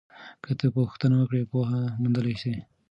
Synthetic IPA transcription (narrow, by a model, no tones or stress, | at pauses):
kət̪əpoxt̪ənawəkɽepoɦamund̪əlajʃe